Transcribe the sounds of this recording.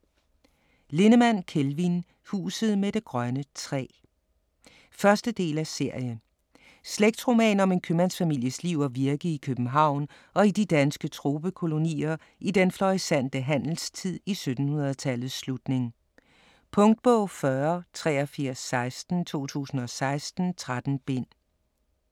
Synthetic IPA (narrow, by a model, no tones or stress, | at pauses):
le̝nəmæn̰kʰelʋin | hṵːsð̞̩ˠmed̥e̝ɡ̥ʁɶnət͡sʰʁɛ̰ː | fɶɐsd̥əd̥e̝̰ːlæse̝ɐ̰jə | sleɡ̥̚d̥ʁo̝mɛ̰ːnɒ̽me̝nkʰømænsfæmil̰jəsliʊ̰ɒʋiɐɡ̥əikʰøb̥m̩ɦɑ̈ʊ̰n | ʔɒ̽id̥id̥ænsɡ̥ət͡sʰʁo̝ːb̥əkʰo̝lo̝nḭːɐ | id̥enflɒʁisæn̰d̥əɦæn̰l̩st͡sʰið̞̰ˠisød̥n̩hunɐð̞̩ˠt͡sʰælð̩ˠsːlud̥ne̝ŋ | pʰɔ̽ŋd̥̚b̥ɔʊ̰fɶɐt͡sʰʁɛːɒfiɐ̰sːɑ̈ɪsd̥n̩t͡sʰo̝̰ːt͡sʰṵːsn̩ɒ̽sɑ̈ɪsd̥n̩t͡sʰʁad̥n̩b̥e̝n̰